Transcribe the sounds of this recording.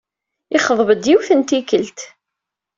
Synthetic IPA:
ɪχəðˤvəd̪jiwθənt̪ikəlt̪

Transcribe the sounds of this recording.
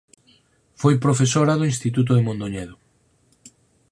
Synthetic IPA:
fojpɾofesoɾaðoinst̪it̪̬ut̪̬oðemõnd̪oɲɛðʊ

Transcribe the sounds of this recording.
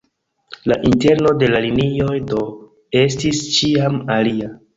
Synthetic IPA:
laʔinte̞ɾno̞de̞lalinio̞jdo̞ | e̞stist͡ʃiamalia

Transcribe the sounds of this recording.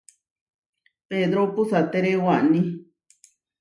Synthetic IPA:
ped̪ɾopusat̪eɾewaʔnĩ

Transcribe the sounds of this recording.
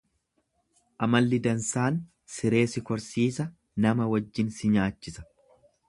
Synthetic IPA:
ʔɐmɐlːɪd̪ɐnsaːn | sɪɾe̞ːsɪkɔɾsiːsɐ | nɐmɐwɐd͡ʒːɪnsɪɲaːt͡ʃːɪsɐ̥

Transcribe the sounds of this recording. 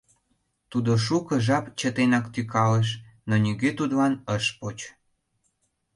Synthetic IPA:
t̪ud̪oʃ̬ukəʒɑpt͡ɕət̪enɑkt̪ykɑleʃ̬ | nonʲiɣøt̪ud̪lɑnəʃpot͡ɕ

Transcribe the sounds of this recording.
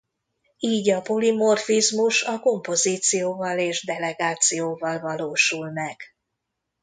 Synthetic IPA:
iːɟɒpo̞limo̞rfizmuʃɒko̞mpo̞ziːt̪sijoːvɒleːʒd̪ɛlɛɡaːt̪sijoːvɒlvɒloːʃulmɛɡ̥

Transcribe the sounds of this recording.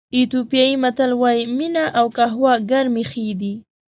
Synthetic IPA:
it̪opjajimat̪alwajiminaʔawkaɦwaɡaɾmixed̪i

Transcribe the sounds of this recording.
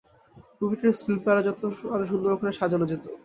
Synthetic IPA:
kubiʈeɾskilpaɾad͡ʑɔt̪oaɾeʃ̬und̪oɾokʰaɾeʃad͡ʑʱanod͡ʑet̪o

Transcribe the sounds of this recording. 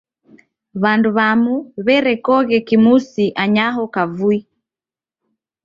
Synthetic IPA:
βanduβamuβɛɾɛkɔɣɛkimusiʔaɲaɦɔkavui

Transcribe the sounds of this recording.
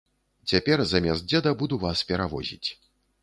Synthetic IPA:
t͡sʲapʲɛrzɐmʲɛst̪̚d͡zʲɛd̪ɐbud̪uvaspʲɛɾavɔzʲḭt͡sʲ

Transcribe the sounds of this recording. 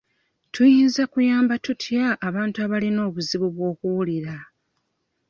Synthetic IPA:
tʰujiːnzakujaːmbatutʰjaʔːβaːntuaβalino̞ːβuziβuβwo̞ːkuwuliɾa

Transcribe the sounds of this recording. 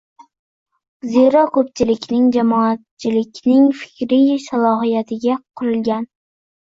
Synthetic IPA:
zeɾɒkʰɵp̚t͡ʃʰɪlɪkʲnɪŋd͡ʒamɒat̪̚t͡ʃʰɪlɪkʲnɪŋfɪ̥kʲʰɾijsalˠɒɦijat̪ʰɪɡʲaqʰʊɾɪlɡʲan

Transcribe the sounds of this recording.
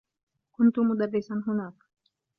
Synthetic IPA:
kunt̪umuɗ̪abɛsanɦunakḁ

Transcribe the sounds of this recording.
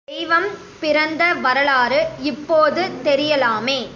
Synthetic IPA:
ɛɪʋɐm | pɪɾɐnd̪ɐʋɐɾɐɭaːɾɯɪpːoːðɯt̪ɛɾɪjɐlaːmeː

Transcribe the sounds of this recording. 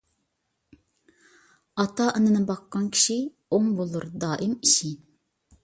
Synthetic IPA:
ɑt̪ɑʔənɨnɨbɑqːɑnkʲʰi̥ʃi | oŋbolˠuɾd̪ɑːʔɪmiʃi

